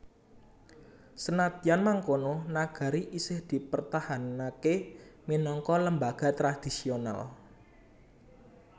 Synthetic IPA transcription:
sənad̪ianmaŋkononaɡ̥a̤ɾiʔisɪhd̪̥i̤pərt̪ahanakeminɔŋkɔləmbaɡ̥a̤t̪ɾad̪̥i̤siona̰l

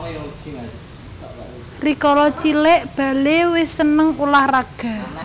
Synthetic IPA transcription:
rikɔlɔt͡ʃilɪʔb̥a̤lewɪsːənəŋulahraɡ̥a̤

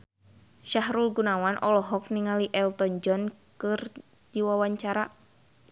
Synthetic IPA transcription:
ʃaɦɾulɡunawanʔɔlɔɦɔk̚niŋaliʔɛlt̪ɔnd͡ʒɔnkɨr | d̥iwawaɲt͡ʃaɾa

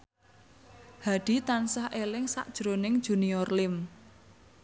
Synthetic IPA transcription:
haɖ̥i̤t̪ansahʔelɪŋsa̰ʔd̥ʒ̥ɾonɪŋ̥ʒ̥uniɔrlɪm

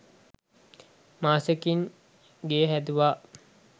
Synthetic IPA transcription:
maːsəkiŋ | ɡeɦæd̪uʋa

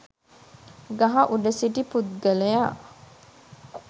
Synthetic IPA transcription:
ɡɐɦɐʔuɖəsiʈiput̪̚ɡəleja

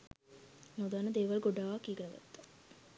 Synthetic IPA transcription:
nod̪anəd̪eːʋalɡoɖaːʋakːijəɡənəɡa̰t̪ːḁ

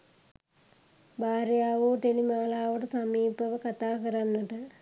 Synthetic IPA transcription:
baːrjaːʋoːʈelimaːɭaːʋɐɽesɐmiːbɐʋɐkɐt̪aːkɐɾɐnːɐɽɨ

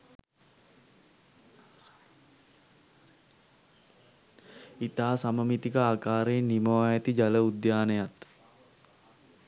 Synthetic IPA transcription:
it̪aːsaməmit̪ikəaːkaːɾeːnːiməʋajət̪id͡ʒaləud̪jaːnejat̪

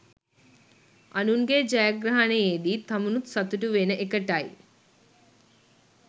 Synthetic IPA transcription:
ɐnuŋɡeːd͡ʒɐjaɡɾɐɦɐnɐjeːd̪it̪ɐmunut̪sɐt̪uʈuʋeːnɐʔekɐʈaːj̰

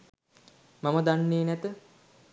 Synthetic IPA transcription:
maməd̪anːeːnæt̪ə

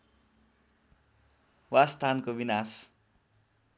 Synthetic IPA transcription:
wast̪ʰankobinas

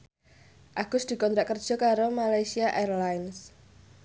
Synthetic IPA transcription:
ʔaɡ̥ʊsd̪̥i̤kɔnt̪ɾaʔkərd̥ʒ̥ɔ̤kaɾomalajsiaʔerlajns

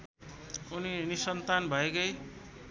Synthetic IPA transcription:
uninisʌnt̪anbʱʌekʌj

